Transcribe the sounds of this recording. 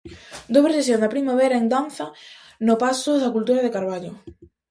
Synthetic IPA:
d̪oβɾesesjond̪ɐpɾimaβɛɾaend̪an̟θɐ | nʊpasʊðɐkult̪uɾɐðekaɾβaʎʊ

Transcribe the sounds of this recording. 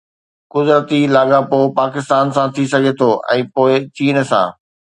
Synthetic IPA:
kʊzɾət̪ilaːɠãpoːpaːkɪst̪aːnsãt̪ʰisɐɡʱet̪ʰoːʔɛ̰̃ːpoːɪt͡ɕiːnsã̰ː

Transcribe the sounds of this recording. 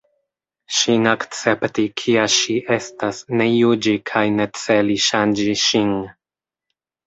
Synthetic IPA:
ʃinakt͡se̞ptikʰiaʃiʔe̞stasne̞jud͡ʒikʰajne̞t͡se̞liʃand͡ʒiʃin

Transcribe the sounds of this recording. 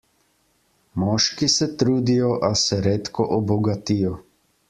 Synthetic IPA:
mɔːʃkisɛt̪ɾuːd̪ijɔʔasɛɾeːt̪kɔʔɔbɔɡat̪ijɔ

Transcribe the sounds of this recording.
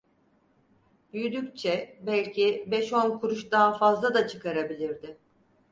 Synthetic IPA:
byjyd̪yct͡ʃʰɛbælʲcʰɪbɛʃo̞nkʰuɾuʃd̪aɦafazlˠad̪at͡ʃʰɯkʰaɾabilʲiɾd̪ɪ

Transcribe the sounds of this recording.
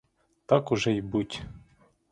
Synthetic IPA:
t̪ɑkʊʒɛjbutʲ

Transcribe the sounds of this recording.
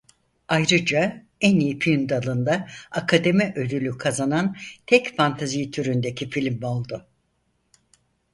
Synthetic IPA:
ajɾɯd͡ʒa | ænijipʰnd̪alˠɯnd̪aakʰad̪e̞miʔød̪ylʲykʰazanant̪ʰɛcfant̪ʰazijt̪ʰyɾynd̪e̞cʰifilʲmo̞lˠd̪ʊ

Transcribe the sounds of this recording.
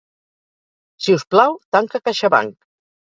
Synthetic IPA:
siusplawt̪aŋkakaʃaβa̰ŋk

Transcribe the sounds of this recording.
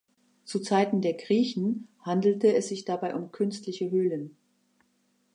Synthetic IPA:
t͡sut͡saɪtn̩deːɐɡʁiːçn̩handl̩təɛsz̥ɪçd̥abaɪʔʊmkʰʏnstlɪçəɦøːlən

